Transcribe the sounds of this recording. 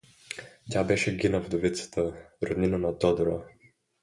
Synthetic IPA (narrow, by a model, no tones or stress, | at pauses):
tʲabɛʃɛɡʲinəvd̪ovit̪sə̥t̪əɾod̪ninənɐt̪ɔd̪ɾo